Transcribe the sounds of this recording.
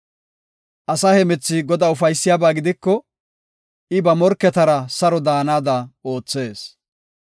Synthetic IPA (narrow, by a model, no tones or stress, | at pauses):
ʔɐsɐhɛmɛt͡sːɪɡɔd̪ɐʊfɐjsːɪjabaːɡɪd̪ɪkːɔ | ʔɪbɐmɔɾkːɛt̪ɐɾɐsɐɾɔd̪aːnaːd̪ɐo̞ːt͡sːe̞ːs